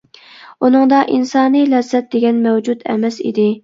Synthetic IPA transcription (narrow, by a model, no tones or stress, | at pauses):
unɨŋd̪ɑʔinsɑːnɨjlɛzːɛt̪̚d̪eɡʲɛnmɛwd͡ʒud̪ɛ̰mɛsḭd̪ɪ